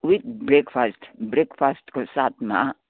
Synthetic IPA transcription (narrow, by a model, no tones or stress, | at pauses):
wit̪bɾekfʰasʈbɾekfasʈkosat̪ʰmã̰